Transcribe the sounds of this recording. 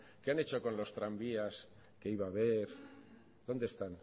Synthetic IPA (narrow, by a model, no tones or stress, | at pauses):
keane̞t͡ʃo̞ko̞nlo̞st̪ɾambias | keiβaβ̞eɾ | ðo̞nd̪est̪an